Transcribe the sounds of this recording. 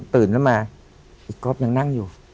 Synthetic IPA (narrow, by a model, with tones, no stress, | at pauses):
t̪ɯː˨˩nkʰa˥˩maː˧ | ʔiː˨˩kɾo˦˥p̚ja˧ŋna˥˩ŋjuː˨˩